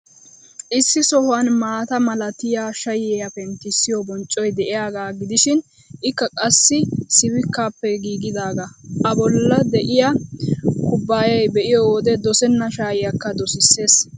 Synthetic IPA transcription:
ʔɪsːɪsɔhwɐnmaːt̪ɐmɐlɐt̪ɪjaːʃɐjɛjɐpɛnt̪ɪsːɪjɔbɔnt͡ʃʼːɔjd̪ɛʔɪjaːɡaːɡɪd̪ɪʃɪn | ʔɪkːɐkʼɐsːɪsɪwɪkːaːpːɛɡiːɡɪd̪aːɡaʔɐbɔlːɐd̪ɛʔɪja | kʊbːaːjɐjbɛʔɪjɔwɔd̪ɛd̪ɔsɛnːɐʃaːjɪjɐkːɐd̪ɔsɪsːe̞ːs

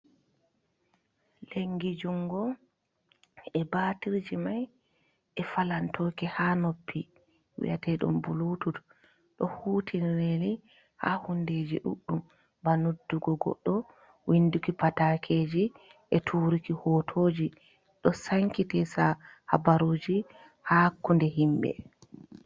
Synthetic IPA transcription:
leŋɡid͡ʒuŋɡɔ | ɛbaːtiɾd͡ʒimaj | ʔɛfalantɔːkɛhanopːi | wḭʔatɛɗɔ̰mbuluːtud | ɗɔhuːtʰinɾeli | ha̰hundeːd͡ʒḭɗṵɗːum | banudːuɡɔɡɔ̰ɗːɔ | wʔindukipatakʰeːd͡ʒi | ʔɛtʰuːɾikihɔtʰoːd͡ʒi | ɗɔsaŋkitɛsaha̰baɾoːd͡ʒi | hakːundɛɦimbɛ̰

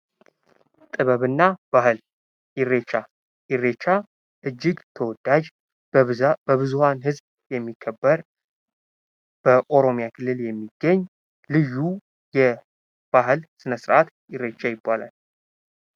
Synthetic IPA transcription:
t̪ʼɨβəβɨnːab̥ahɨl | ɪret͡ʃːa | jɪrːet͡ʃːa | ʔɨd͡ʒːɪɡt̪ʰəwɔd̪̥ad͡ʒ | bəβɨzuhanhɨzb | jɛmːikʰːəbːəɾ | b̥əʔo̞ɾo̞mijakʰɨlːɨljɛmːiɡ̥ːəɲː | lɨjːu | jɛ | b̥aɦɨlsɨnəsɨɾʔat̪ | jɪɾe̞t͡ʃːajɪbːala̰l

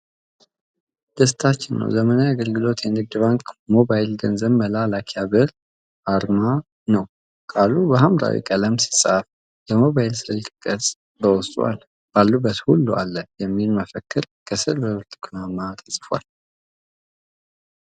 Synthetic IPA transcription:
d̪̥əst̪ʰat͡ʃːɪnːə̰wzəmənajaɡəlɡɨlo̞t̪jɛnɨɡ̚d̪ɨβaŋkmo̞bajlɡənzəβməlalakʰjabɨɾ | ʔaɾma | nəw | kʼalubəɦamɾa̰wḭkʼələmsɨsʼaf | bəmo̞βajɪlsɨɾɨlkʼɨkʼːəsʼ | bəwɔst̪ʼwa̰l | b̥alːubːət̪hulːua̰lːəjɛmːilməfəkːɨɾ | kʰəsɨɾbəwt̪ʼɨ̥kʰlamːat̪ʰəsʼfwa̰l

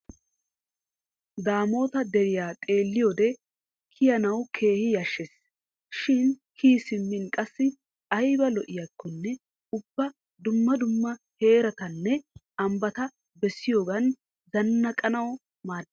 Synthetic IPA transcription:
d̪aːmo̞ːt̪ɐd̪ɛɾɪjaːt̪ʼe̞ːlːɪjoːd̪ɛ | kʰːɪjɐnɐwkʰe̞ːhɪjɐʃːɛs | ʃɪnkʰiːsɪmːɪnkʼɐsːɪ | ɐjbɐlɔʔɪjɐkʰːɔnːɛ | ʊbːɐ | d̪ʊmːɐd̪ʊmːɐhe̞ːɾɐt̪ɐnːɛ | ɐmbɐt̪ɐ | bɛsːɪjo̞ːɡɐn | zɐnːɐkʼɐnɐwɔ | maːd̪

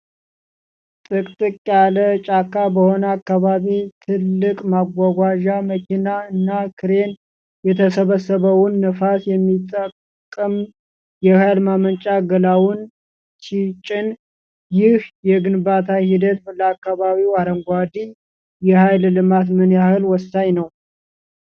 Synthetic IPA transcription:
t̪ʼɨkʼt̪ʼɨkʼjalət͡ʃʼakːabəho̞nəakːaβaβit̪ʰɨlːɨkʼmaɡʷaɡʷaʒaməkʰinaɨnːakʰɨɾe̞n | jɛt̪ʰəsəβəsəβəwʊnːəfasjɛmːit̪ʼːəkʼː | əm | jɛhajlmamənt͡ʃʼaɡəlawʊn | t͡ʃʰit͡ʃʼɪn | jɪhjɛɡɨnbat̪ʰahid̪ət̪bələakːaβaβiwaɾəŋɡʷad̪i | jɛhajllɨmat̪mənjahɨlwɔsaɲnəw

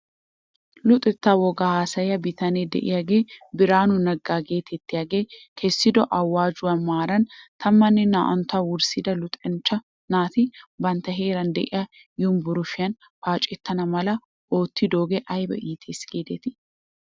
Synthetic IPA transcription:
lʊt̪ʼɛt̪ːawɔɡahaːsɐjɐbɪt̪ʰɐned̪ɛ̰ʔɪ̰jɐɡeːbɪɾaːnʊnɐɡːaːɡe̞ːt̪ʰɛt̪ːɪɐɡeːkʰɛsːɪd̪ɔʔɐwːaːd͡ʒʊɐnmaːɾɐnt̪ʰɐmːɐnːɪna̰ːʔɐ̰nt̪ɐwʊɾsid̪ɐlʊt̪ʼɛnt͡ʃːɐ | naːt̪ɪbɐnt̪ɐɦe̞ːɾɐnd̪ɛ̰ʔɪjɐ | jʊmbʊɾʊfɪɐn | faːt͡ʃʼɪt̪ːɐnɐmɐlɐ | ʔoːt̪ːid̪oːɡɛʔɐjbɐ̰ʔiːt̪ʰeːsɡeːd̪ɛt̪ɪ̥

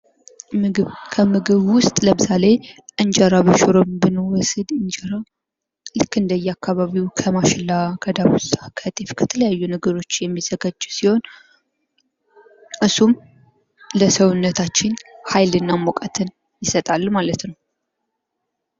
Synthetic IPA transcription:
kʰəmɨɡɨβwʊst̪ʼləmɨsale̞ʔɨɲd͡ʒaɾaβəʃuɾombɨnowɔsɨd̪ɨnd͡ʒəɾa | lɨkːɨnd̪əjɛakʰːaβaβiwkʰəmaʃɪlːakʰəd̪aβusʼakʰət̪ʼifkʰə̥t̪ʰələjajːunəɡəɾo̞t͡ʃːjɛmːizəɡad͡ʒːusiho̞n | ʔɨsum | ləsəwʊnːət̪ʰat͡ʃːɪnhajlɨnːamokʼət̪ʰɨn | jɪsət̪ʼalːmalət̪nəw

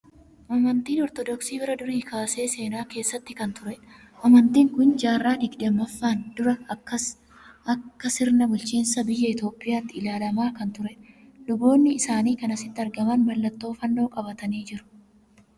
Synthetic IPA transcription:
ʔɐmɐnt̪iːnɔɾt̪ɔd̪ɔksiːbɪɾɐd̪ʊɾiːkaːse̞ːse̞ːnaːke̞ːsːɐt̪ːɪkɐnt̪ʊɾɛn | ʔɐmɐnt̪iːŋkʊnd͡ʒaːrːaːd̪ɪɡᶑemːɐfːaːnd̪ʊɾɐɐ | ɐkːɐsɪɾnɐbʊlt͡ʃiːnsɐbɪjːɐɪt̪o̞ːpʼːɪjaːt̪ːɪːlaːlɐmaːkɐnt̪ʊɾɛnlʊɡo̞ːnːɪːsaːniːkɐnɐsɪt̪ːɪɐɾɡɐmɐnmɐlːɐt̪ːo̞ːfɐnːo̞ːkʼɐbɐt̪ɐniːd͡ʒɪɾʊ̥

